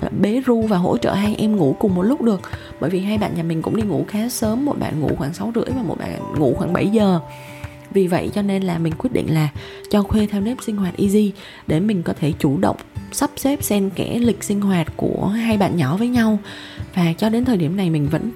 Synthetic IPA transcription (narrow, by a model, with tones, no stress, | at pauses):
ɓe˨˦zu˧vaː˨˩ɦo̰˧˥t͡ɕə̰ː˧˨ɦaː˧jʔɛ˧mŋu˧˩kʊ˨˩ŋ͡mmo˨˩t̚lʊ˦˥k͡p̚ɗɨ˨˩ək̚ | ɓəː˧˩jvi˨˩ɦaː˧jɓa̰ː˧˨nɲaː˨˩mï˨˩ŋ̟kʊ̰˧˥ŋ͡mɗi˧ŋu˧˩xaː˨˦səː˨˦mːo˨˩t̚ɓa̰ː˧˨nŋṵ˧˩xwaː˧˩ŋsa˨˦wzɨ̰˧˥əjvaː˨˩mo̰˨˩t̚ɓa̰ː˧˨˩ŋṵ˧˥xwaː˧˩ŋɓə̰˧˩jzəː˨˩ | vi˨˩və̰˧˨jt͡ɕɔ˧ne˧nlaː˨˩mï˨˩ŋ̟kwi˦˥ət̚ɗḭ˧˨ŋ̟laː˨˩ | t͡ɕɔ˧xwe˧t̪ʰɛ˧wne˦˥p̚sï˧ŋ̟hwaː˨˩t̚ʔi˧zi˧ | ɗe˧˩mï˨˩ŋ̟kɔ˨˦t̪ʰe˧˩t͡ɕu˧˩ɗə̰˧˨wŋ͡msə˦˥p̚sɛ˦˥p̚sɛ˧mkɛ̰˧˩lï˨˩k̟̚sï˧ŋ̟ɦwaː˨˩t̚ku˧˩əɦaː˧jɓa̰ː˧˨nɲɔ˧˩vəː˨˦jɲa˧w | vaː˨˩t͡ɕɔ˧ɗe˨˦nt̪ʰə˨˩ɗi˧˩əmna˨˩jmï˨˩ŋ̟və̰˧˥n